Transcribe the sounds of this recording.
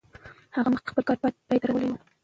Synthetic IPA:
haʁaməχt̪χpəlkɑɾpɑjt̪əɾwəlewə

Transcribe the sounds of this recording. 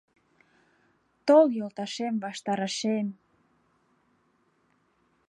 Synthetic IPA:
t̪oljolt̪ɑʃemβɑʃt̪ɑɾɑʃem

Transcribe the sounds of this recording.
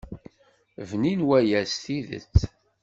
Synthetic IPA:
vninwæjæsθiðə̰t͡sː

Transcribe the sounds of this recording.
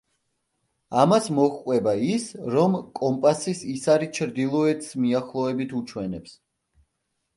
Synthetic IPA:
amasmɔχqʼwɛbaisɾɔmkʼɔmpʼasisisaɾit͡ʃʰɾd̪ilˠɔɛt̪ʰʼsmiaχlˠɔɛbit̪ʰut͡ʃʰwɛnɛps

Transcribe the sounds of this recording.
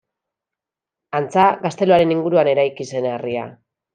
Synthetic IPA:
ant͡saɡast̪e̞loaɾe̞niŋɡuɾuane̞ɾajkise̞neria̰

